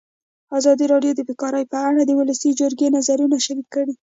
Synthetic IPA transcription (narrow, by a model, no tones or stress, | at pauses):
azɑd̪iɾɑɖjod̪əbekɑɾəjpəaɽad̪əwʊləsid͡ʒʊɾɡenazaɾunaʃaɾid̪̚kəɽi